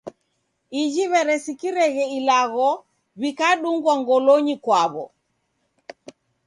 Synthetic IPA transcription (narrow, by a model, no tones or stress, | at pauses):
id͡ʒiβɛɾɛsikiɾɛɣɛilaɣɔ | βikaɗuŋɡwaŋɡɔlɔɲikwaβɔ̰